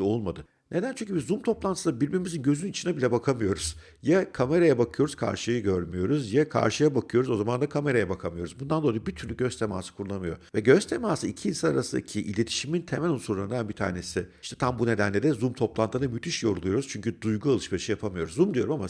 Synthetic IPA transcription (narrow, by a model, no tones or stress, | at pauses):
olˠmad̪ɯ | nʔe̞d̪ænt͡ʃʰyɲʲcʰybizumt̪ʰo̞plˠanʰɯsd̪abiɾʲbiɾmizinɟø̞zynit͡ʃʰinɛbilʲɛbakʰamɯjo̞ɾuz̥ | jakʰame̞ɾajabakʰɯjo̞ɾuz̥kʰa̰ɾʃɯjɯɟøɾmyjo̞ɾuzjakʰa̰ɾʃɯjabakʰɯjo̞ɾuzo̞zamand̪akʰame̞ɾajabakʰamɯjo̞ɾuzbund̪and̪o̞lˠajɯbit̪ʰyɾlʲyɟøst̪ʰe̞ma̰ːsɯ̥kʰuɾulˠamɯjo̞̰vɛɟøst̪ʰe̞maːsɯicʰiiːnsana̰ɾasɯnd̪acʰiʔḭlʲe̞t̪ʰi̥ʃimint̪ʰemælʲonsuɾlˠaɾɯnd̪anbit̪ʰa̰ːne̞sɪiʃt̪ɛ̥t̪ʰambune̞d̪ænlʲed̪ɛzumt̪ʰo̞plˠant̪ʰɯd̪amyt̪ʰiʃjo̞ɾulˠujo̞ɾuz̥t͡ʃʰyɲcyd̪ujɡualˠɯʃmaʃɯjapʰamɯjo̞ɾuzːumd̪ijo̞ɾumama